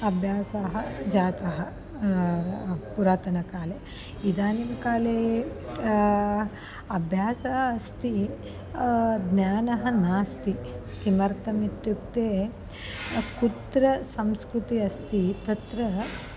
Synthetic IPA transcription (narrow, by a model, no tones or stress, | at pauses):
ɐbʱjaːsɐɦɐd͡ʒaːt̪ɐɦɐ | puɾaːt̪ɐnɐkaːle | id̪aːninɐkaːleː | ɐbʱjaːsɐɦɐɐst̪i | d̪nʲjaːnɐɦɐnaːst̪i | kimɐɾt̪ɐmiʈ̪ːukt̪eː | kut̪ɾɐsɐmskɾut̪iɐst̪it̪ɐt̪ɾɐ